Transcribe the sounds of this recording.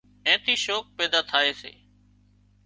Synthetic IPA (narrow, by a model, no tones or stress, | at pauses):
ɛ̃ːt̪ʰiːʃoːk̚pɛːd̪aːt̪ʰaːeːsḛː